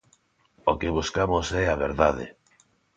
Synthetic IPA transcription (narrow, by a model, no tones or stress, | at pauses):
okɪβuskamosɛaβ̞eɾðaðḛ